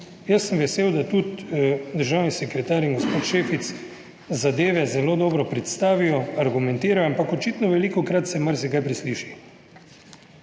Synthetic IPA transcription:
jəsːəmʋɛseːwd̪at̪ut̪d̪əɾʒawnisɛkɾɛt̪aːɾiŋɡospoːt̪ʃeːfit̪s | zad̪eːʋɛzɛloːd̪ɔːbɾɔpɾɛt̪st̪aːʋijɔaɾɡumɛnt̪iːɾajampakɔt͡ʃiːt̪nɔʋɛliːkɔkɾat̪sɛmaɾsɛkajpɾisliːʃi

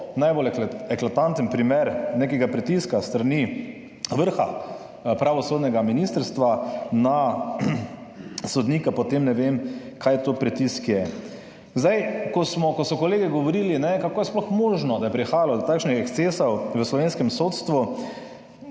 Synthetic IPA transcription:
najbolɛklat̪ant̪ənpɾimeɾnekɛɡapɾɛt̪iskast̪ɾani | ʋəɾxa̰ | pɾaʋɔsoːd̪nɛɡaminist̪əɾst̪ʋana | sɔd̪niːkapɔt̪emnɛʋem | kʰajt̪oːpɾɛt̪iskjɛ | zd̪ajkɔsmɔkɔsɔkɔleːɡɛɡɔʋɔɾiːlinɛkakoːjɛsplɔxmoːʒnɔd̪ajɛpɾixaːjalɔd̪ɔt̪aːkʃnixɛkst̪seːsɔwʋəslɔʋeːnskɛmsot̪st̪ʋu

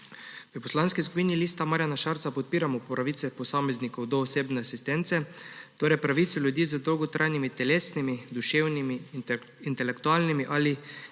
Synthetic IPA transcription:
ʋəpɔslanskis̬kupiniliːst̪amaːɾjanaʃaɾtsapɔt̪̚piːɾamɔpɔɾaʋiːt̪sɛpɔsamɛznikɔwd̪ɔːseːbnɛasist̪ɛnt̪sɛt̪oːɾɛjpɾaʋit̪sɔljud̪iːzəd̪ɔwɡɔt̪ɾʔajnimit̪ɛleːsnimid̪uʃeːwnimi | int̪ɛlɛkt̪ualnimiʔali

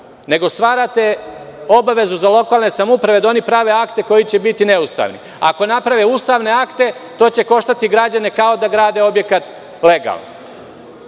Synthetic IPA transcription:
ne̞ɡo̞st̪ʋaːɾat̪e̞ | o̞baʋe̞zuzalˠo̞kaːlne̞samupɾaʋe̞d̪ao̞nipɾaːʋe̞akt̪e̞ko̞jit͡ɕe̞bit̪ine̞ust̪a̰ʋnḭ | a̰ko̞napɾaʋeuːst̪aʋne̞akt̪e̞t̪o̞ːt͡ɕe̞ko̞ʃt̪at̪iɡɾad͡ʑane̞kao̞d̪aɡɾaːd̪e̞o̞bje̞kat̪ | le̞ɡa̰lˠno̰

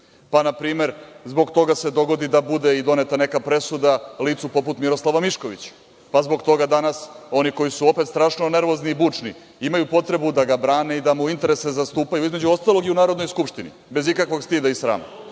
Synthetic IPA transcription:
panapɾiːme̞ɾzbo̞ɡt̪o̞ɡase̞d̪o̞ɡo̞d̪id̪abud̪e̞id̪o̞net̪ane̞kapɾe̞sud̪aliːt̪supo̞put̪miɾo̞slˠaʋamiʃko̞ʋḭt͡ɕḁ | pazbo̞ɡt̪o̞ɡad̪anaso̞niko̞jisuo̞pe̞t̪st̪ɾaːʂnone̞ɾʋo̞zniːbuːt͡ʂnḭ | imajupo̞t̪ɾe̞bud̪aɡabɾaːne̞id̪amuint̪e̞ɾe̞se̞zast̪uːpajuizme̞d͡ʑuo̞st̪alˠo̞ɡiunaːɾod̪no̞jskupʃt̪inḭbe̞zikakʋo̞ɡst̪id̪aisɾa̰ːma̰

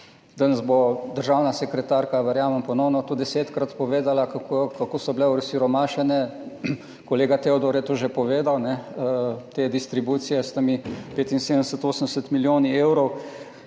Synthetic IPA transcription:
d̪anɐzbod̪əɾʒaːwnasɛkɾɛt̪aːɾkaʋɛɾjaːməmpɔnɔwnɔt̪oːd̪ɛseːt̪kɾat̪pɔʋeːd̪alakakkakoːsɔblɛuɾsiɾɔmaːʃɛnɛ | koleːɡat̪eɔd̪ɔɾjɛt̪oːʒepɔʋeːd̪awnɛ | t̪eːd̪ist̪ɾibuːt̪sijɛst̪amipeːt̪insed̪ənd̪ɛsət̪oːsənd̪ɛsət̪miljoːniewɾɔw

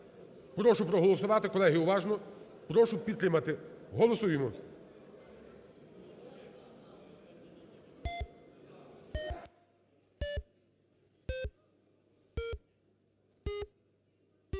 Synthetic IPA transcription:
pɾɔʃʊpɾɔɦɔlˠɔsʊʋɑt̪ɪkɔlˠɛɦɪʊʋɑʒnɔ | pɾɔʃʊpʲid̪t̪ɾɪmɐt̪ɪɦɔlˠɔsujɪmɔ

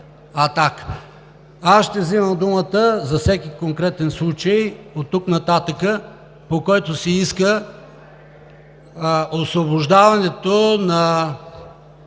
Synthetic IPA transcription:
ɐt̪ak | asʃt̪ɛvziməmd̪umət̪əzɐfsɛkikoŋkɾɛt̪ɛnslˠut͡ʃəjot̪ːuknɐt̪at̪əkə | pokɔjt̪osɛiskə | osvoboʒd̪avɐnɛt̪onɐ

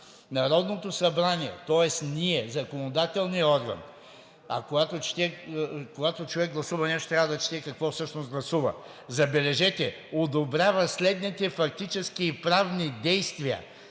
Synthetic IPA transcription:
nɐɾɔd̪not̪osɐbɾaniɛ̰t̪ɔɛsniɛzɐkonod̪at̪ɛlˠniɔɾɡɐ̰n | ɐ̰koɡat̪ot͡ʃi̥t̪ɛkoɡat̪ot͡ʃovɛɡɡlˠɐsuvɐnɛʃt̪ot̪ɾʲavəd̪ɐt͡ʃi̥t̪ɛkɐkvɔfsɤʃnozɡlˠɐsuvɐ̰ | zɐbɛlɛʒɛt̪ɛ | od̪obɾʲavɐslɛd̪nit̪ɛfɐk̚t̪it͡ʃɛskiːpɾavnid̪ɛjst̪viɐ̰

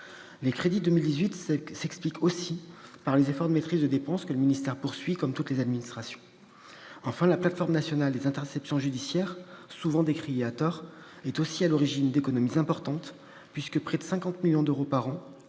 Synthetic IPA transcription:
lekχed̪id̪əmild̪izɥit̪sɛksplikʰosipaʁlezefɔʁd̪əmet̪χizd̪əd̪epɑ̃skələminist̪ɛʁpuʁsɥikɔmt̪ut̪lezad̪minist̪χasjɔ̃ | ɑ̃fɛ̃laplat̪fɔʁmnasjɔnald̪ezɛ̃t̪ɛʁsɛpsjɔ̃ʒyd̪isjɛʁsuvɑ̃d̪ekχieat̪ɔʁɛt̪osialɔʁiʒind̪ekɔnɔmizɛ̃pɔʁt̪ɑ̃t̪ | pɥiskəpχɛd̪əsɛ̃kɑ̃t̪miljɔ̃d̪øʁopaʁɑ̃

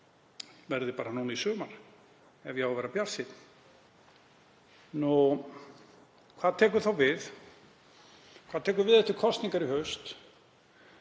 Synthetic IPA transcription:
vɛɾðɪpaːɾanuːnaisʏːmaɾ | ɛvjɛaɣwvɛːɾapjar̥sɪt̪n̥ | nu | kʰvaːðt̪ʰɛːk̬ʏɾθawvɪð | kʰaðt̪ʰɛːk̬ʏɾvɪðɛht̪ɪkʰɔst̪niŋkaɾiɦœɥst̪

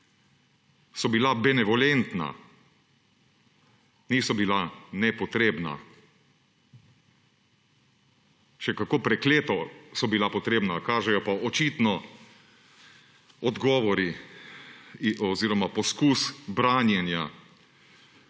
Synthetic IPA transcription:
sɔbilabɛnɛʋɔlɛnt̪na̰ | niːsɔbilanɛpɔt̪ɾeːbna̰ | ʃɛkakoːpɾɛkleːt̪ɔsɔbilapɔt̪ɾeːbnakaːʒɛjɔpaɔt͡ʃiːt̪nɔ | ɔd̪ɡɔːʋɔɾi | ɔziːɾɔmapɔskuːsbɾaːnjɛnja

